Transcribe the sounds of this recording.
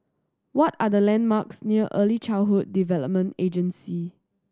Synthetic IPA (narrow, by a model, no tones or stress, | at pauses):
wɔtadəlɛ̃nmaksniəʔəlit͡ʃaɪɦud̚ːivɛləp̚mə̃nted͡ʒə̃nsi